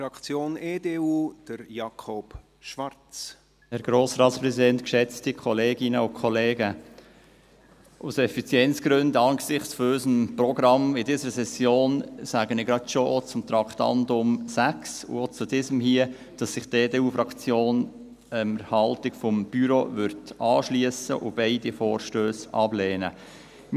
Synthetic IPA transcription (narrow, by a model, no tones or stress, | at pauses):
ɾɑkt͡sjoːneːdeuːd̥əɾjɑkʰop | ʃʋɑɾt͡s | hɛɾɡ̥ɾoːsɾɑːtspɾɛsidɛntkʃɛt͡stikʰɔleːɡɪnəʊkʰɔleːɡə | ʔʊsɛfit͡sjɛnt͡sɡ̥ɾɵndɑnɡsɪχt͡sfɔyzəmprɔɡɾɑmɪdiːsəɾəsɛsjoːnsæːɡənɪɡɾɑdʃoot͡sʊmt̪ɾɑkt̪ɑ̰ndʊmsæksʊ̰ot͡sudiːzəmhiə | d̥ɑsːɪχd̥eːdeːuːfɾɑkt͡sjoːn | əməɾhɑltɪkfɔmb̥yɾoʋʏɾtɑːʃliəsə̰ʔʊb̥ɛɪd̥ifoːɾʃtøːsɑb̥leːnə